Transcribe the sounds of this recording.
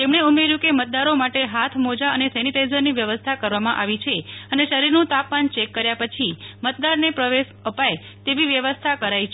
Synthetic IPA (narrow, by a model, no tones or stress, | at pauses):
t̪emɳeumeɾjũkemət̪̚d̪aɾomaʈeɦat̪ʰmod͡ʒaənesɛniʈajzəɾniʋjəʋəst̪ʰakəɾʋamãʔaʋit͡ʃʰeəneʃəɾiɾnũt̪apmant͡ʃekːəɾjapət͡ʃʰimət̪̚d̪aɾnepɾəʋeʃəpaj | t̪eʋiʋjəʋəst̪ʰakəɾait͡ʃʰe